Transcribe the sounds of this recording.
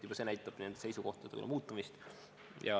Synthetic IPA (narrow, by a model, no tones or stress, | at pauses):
yb̥ɑsenæjt̪ːˑɑb̥nend̪ese̞jsuko̞ht̪ɑd̪eṵl̰muːt̪ːˑɑmist̪ | jɑ̰